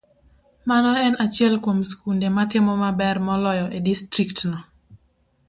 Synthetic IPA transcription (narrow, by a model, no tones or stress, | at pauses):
manɔɛnat͡ʃjɛlkomskundematɪmɔmabɛrmɔlɔjɔʔedistɾiktnɔ